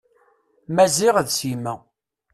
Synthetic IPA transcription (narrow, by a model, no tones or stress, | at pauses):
mæziʁðsimæ